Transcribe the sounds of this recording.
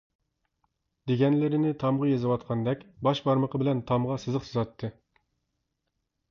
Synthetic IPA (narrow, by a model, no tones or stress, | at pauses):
d̪̥eɡʲɛnlɪɾɪnɪt̪ʰɑmʁɑjezɨwɑt̪qʰɑnd̪ɛkʲbɑʃbɑɾməqʰəbɪlɛnt̪ʰɑmʁɑsɨzɨqsɨzɑt̪ʰːɨ